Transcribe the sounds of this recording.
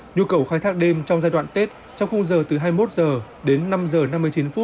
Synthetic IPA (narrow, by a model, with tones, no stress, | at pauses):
ɲu˧kə˨˩wxaː˧˦jt̪ʰaː˦˥k̚ɗe˧mt͡ɕɔ˧wŋ͡mzaː˧jɗwa̰ː˧˨nt̪e˦˥t̚ | t͡ɕɔ˧wŋ͡mxə˧wŋ͡mzəː˨˩t̪ɨ˨˩ɦaː˧jmo˦˥t̚zəː˨˩ | ɗe˨˦nːa˧mzəː˨˩na˧mːɨ˧əjt͡ɕi˨˦nfu˦˥t̚